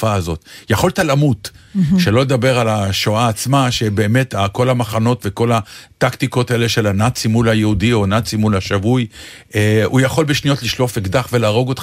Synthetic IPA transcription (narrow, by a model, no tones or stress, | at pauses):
faːzo̞t̪jaχo̞lt̪alamut̪ʃe̞lo̞led̪abe̞ʁalaʃoaːt͡smaʃe̞be̞ːme̞t̪ako̞lamaχano̞tve̞ko̞lat̪akt̪iko̞t̪aele̞ʃe̞lanat͡simulajeudio̞nat͡simulaʃavuj | eujaχo̞lbeʃnijo̞tliʃlofekd̪aχve̞laːʁo̞ɡo̞t